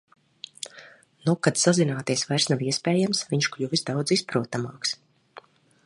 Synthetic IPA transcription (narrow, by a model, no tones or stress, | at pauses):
nukad̪sazinaːt̪iɛsvajɾsnaviɛspɛːjamsviɲʃklʲuvizd̪awd̪zispɾuɔt̪amaːks